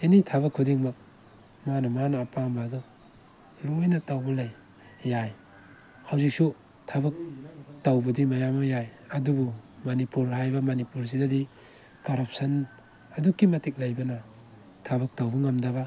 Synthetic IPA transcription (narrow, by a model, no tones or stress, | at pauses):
enitʰaβɐkʰːudiŋmak̚ | manɐmanaːpambadɔ | lujnatawbɐlajː | aj | hawzik̚su | tʰabɐk̚tawbɐdimajamɐjaj | adubumanipuɾɦajbamanipuɾs̬idadi | kaɾap̚sɐn | adukːimatik̚lajbana | tʰaβɐk̚tawbɐŋamdaβa